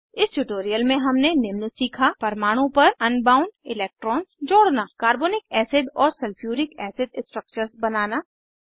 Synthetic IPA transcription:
ɪsʈuʈoːɾijəlmẽɦɐmnenɪmnəsiːkʰapɐɾmaːɽ̃õpɐɾɐnbaːʊ̃nɖɪlɛːk̚ʈɾɔːnsd͡ʒoːɽnakaːɾboːnɪkɛːsɪɖɔːɾsɐlfʰjuːɾɪkɛːsɪdɪ̃sʈɾək̚t͡ʃəɾsbɐnaːnaː

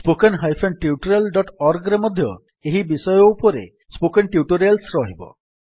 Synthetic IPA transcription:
spokenɦajpʰenɖʈiuʈuɾelɖɔʈɔɾɡɾemɔd̪ʱjɔ | eɦibisɔjɔupɔɾḛ | spokenʈiuʈuɾelsɾɔɦibɔ̰

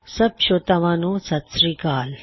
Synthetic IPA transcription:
sɐbʃot̪ɐʋɐnusɐt̪sɾiːkaːl

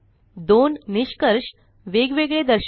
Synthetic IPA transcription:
d̪onniɕkəɾʂ | ʋeɡʋeɡɭed̪əɾɕ

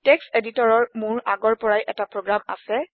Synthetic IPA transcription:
tɛkseditɔɹɔɹmʊɹaɡɔɹpɔɹajʔɛtapɹoɡɹama̰sɛ

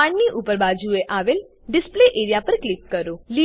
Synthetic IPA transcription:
ãɳniʔupəɾbad͡ʒueʔaːʋel | ɖɪspleʔeːɾjapəɾklɪkːəɾoli

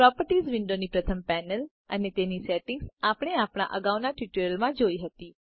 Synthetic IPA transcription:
pɾɔpəɾʈizʋɪɳɖonipɾət̪ʰəmpɛnəl | ənet̪enisɛʈɪŋɡsapəɽ̃eapɽ̃a̰ʔəɡaʋnaʈiʈuəlmãd͡ʒoiɦət̪i

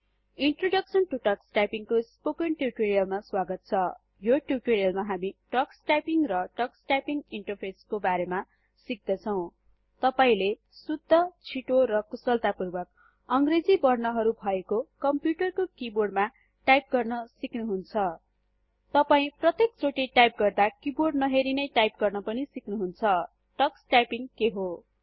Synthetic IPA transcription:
iɳʈroɖʌksʌnʈuʈʌksʈajpiŋkospokʌnʈjuʈoɾijʌlmaswaɡʌt̪̚t͡sʰʌ | joʈjuʈoɾijʌlmaɦamiʈʌksʈajpiŋrʌʈʌksʈajpiŋiɳʈʌrpʰeskobaɾema | sik̚d̪ʌt͡sʰʌw̃ | t̪ʌpaĩle | sud̪ʱːʌt͡sʰiʈoɾʌkusʌlt̪apurbʌk | ʌŋɡred͡zibʌrnʌɦʌɾubʱʌekokʌmpjuʈʌrkokiborɖma | ʈajp̚ɡʌrnʌsiknuɦunt͡sʰʌ | t̪ʌpaĩprʌt̪ek̚t͡soʈiʈajp̚ɡʌrd̪akiborɖnʌɦeɾinʌjʈajp̚ɡʌrnʌpʌnisiknuɦunt͡sʰʌ | ʈʌksʈajpiŋkeɦo

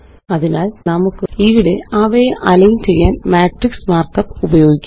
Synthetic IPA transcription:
ɐðinaːlnɐmukːɨiʋiɽe̞ɐʋɐjeʔɐlɐjnt͡ɕe̞jːaːnmaːʈriksmaːrkɐpːubɐjo̞ːɡikʲːu

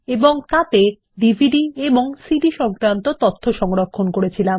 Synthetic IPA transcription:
eboŋt̪at̪e | ɖibʱiɖieboŋsiɖiʃɔŋkɾant̪ot̪ɔt̪ʰːoʃɔŋɾokʰːonkoɾet͡ɕʰilam

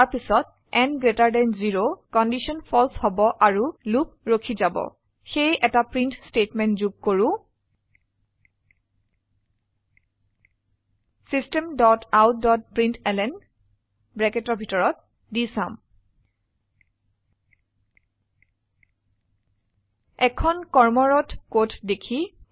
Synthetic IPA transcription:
aɹpisɔt | ɛnɡɹetaɹdɛnziɹokɔndisɔnpʰɔlshɔbɔʔaɹulup̚ɹokʰizabɔ̰ | xejʔɛtapɹintstetmɛntzuɡ̚koɹʊ̃ | sistɛmdɔtawtdɔt̚pɹintʰɛlɛn | bɹɛketɔɹbʱitɔɹɔt̚ | disam | ɛkʰɔnkɔɹmɔɹɔtkotdekʰi

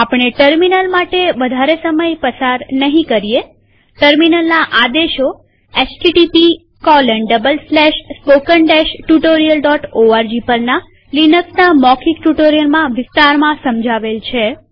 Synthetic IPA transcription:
apɳ̃eʈəɾminəlmaʈeʋəd̪ʱaɾesəməjpəsaɾnəɦĩkəɾie | ʈəɾminəlnaʔad̪eʃo | et͡ʃʈiʈipi | kɔləɳɖəbəlslɛʃspokəɳʈɛʃʈuʈoɾijəlɖɔʈoaɾd͡ʒipəlna | linəksnamɔkʰikʈuʈoɾijəlmãʋɪst̪aɾmãsəmd͡ʒʱaʋelt͡ʃʰe

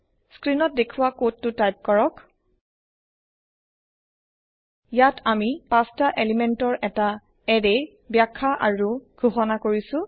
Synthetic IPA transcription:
skɹinɔt̚dekʰuwakotːʊtajp̚kɔɹɔk | jatʰamipastaʔelimɛntɔɹʔɛta | ɛde | bjakʰːaʔaɹuɡ̥ʱuxɔnakoɹisʊ̃

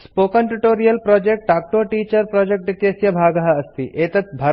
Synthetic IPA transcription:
spoːkɐnʈuʈoːɾijɐlpɾɔːd͡ʒek̚ʈ̚ɖaːk̚ʈoːʈiːt͡ʃɐɾpɾɔːd͡ʒek̚ʈʋit̪jɐsjɐbʱaːɡɐɦɐɐst̪iʔeːt̪ɐt̪bʱɐ

